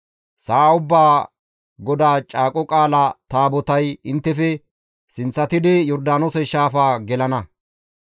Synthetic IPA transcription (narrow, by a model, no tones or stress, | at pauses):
saːʊbːaː | ɡɔd̪aːt͡ʃʼaːkʼɔkʼaːlɐt̪aːbɔt̪ɐjɪnt̪ːɛfɛ | sɪnt͡sːɐt̪ɪd̪ɪjɔɾd̪aːnɔsɛʃaːfaːɡɛlɐnɐ